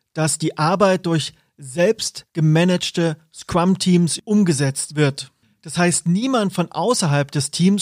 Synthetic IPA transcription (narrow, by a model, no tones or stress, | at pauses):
d̥asd̥iːʔaɐbaɪt̚d̥ʊɐç | zɛlpstɡ̥əmɛnɛt͡ʃtə | skʁ̥amtʰiːmsʔʊmɡəzɛt͡stv̥ɪɐt | d̥ashaɪstniːmantfɔnʔa̰ʊsɐɦalpd̥ɛstʰiːms